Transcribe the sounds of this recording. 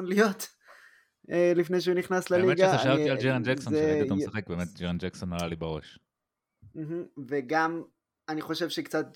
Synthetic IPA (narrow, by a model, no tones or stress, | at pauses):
nlijo̞t̪ | elifnejʃ̬euniχnaslalmeɡaaʃaavt̪iald͡ʒeʁand͡ʒakksoeaomssaχek̚beːmet̪̚d͡ʒeʁand͡ʒaksonalalibaʁo̞ʃ | m̩ɦm̩veɡam | aniχo̞ʃevʃekt͡sat̪̚